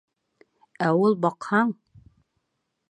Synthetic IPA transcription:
æulˠbɑqhɑɴ

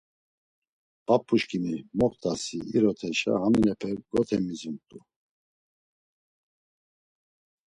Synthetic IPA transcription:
b̥apʰʼːuʃkʼinimɔχt̪ʰʼasiiɾɔt̪ʰɛʃa̰haminɛpʰɛɾɡɔt̪ʰɛmizunt̪ʼu

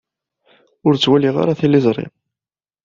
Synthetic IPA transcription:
ʊɾt͡sːwæliʁa̰ɾaθilːɪzˤɾˤɪ̰m

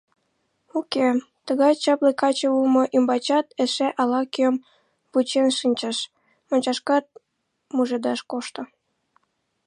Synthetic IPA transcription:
uke | t̪əɣɑjt͡ɕɑplekɑt͡ɕəumoʔymbɑt͡ɕɑt̪eʃeʔɑlɑkm | put͡ɕenʃɨnʲt͡ɕəʃ | monʲt͡ɕɑʃkɑt̪̚ | muʒed̪ɑʃkoʃt̪ŏ

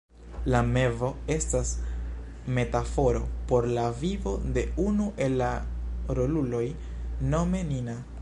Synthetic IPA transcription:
lame̞vo̞e̞stas | me̞tafo̞ɾo̞po̞ɾlavivo̞de̞unuʔe̞lːaɾo̞lulo̞j | no̞me̞nina

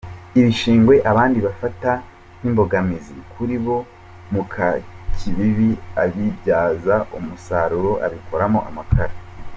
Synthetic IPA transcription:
iβiʃiːŋɡwe̞ʔaβaːndiβafata | n̥imbo̞ɡamizikʰuɾiβo̞ | mukʰacʰiβiβiaβibɟaːzaʔumusaɾuɾo̞ʔa̰βiko̞ɾamoʔamakʰaɾa

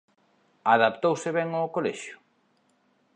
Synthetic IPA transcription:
aðapt̪owsɪβɛŋokolɛʃjʊ̥

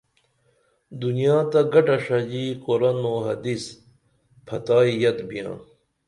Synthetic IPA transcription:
d̪unijaːt̪ɐɡɐʈɐʂɐd͡ʑikoɾɐnoːɦɐd̪is | pʰɐt̪aːijɐd̪bijã̰ː

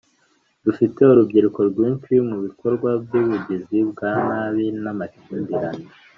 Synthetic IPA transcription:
dufite̞uɾubɡiɾeko̞ɾɡwiːnt͡ʃwimuβiko̞ɾɡwabjuβuɟizibɡaːnaːβinamaciːnbiɾane

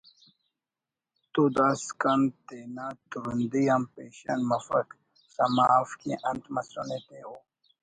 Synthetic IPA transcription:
t̪ud̪askant̪enat̪uɾund̪iampeɕɐ̰nmɐfa̰k | samafkḭ̃ʔɐnt̪mɐsɾonet̪eo

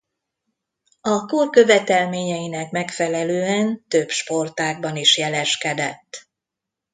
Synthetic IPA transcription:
ɒkorkø̞vɛt̪ɛlmeːɲɛjinɛkmɛkfɛlɛløːɛnt̪øbʃport̪aːɡ̚bɒniʃjɛlɛʃkɛd̪ɛt̪ː

